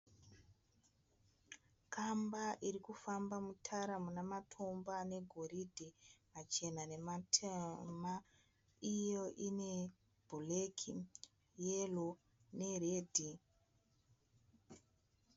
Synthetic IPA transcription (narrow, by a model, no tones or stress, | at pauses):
kʰambaʔirikufambamutʰaɾamunamatʰo̞mbane̞ɡʱo̞ɾidʱimat͡ʃe̞nane̞matʰama | ijo̞ʔine̞ | bʱulekʰi | jelo | ne̞reːdʱi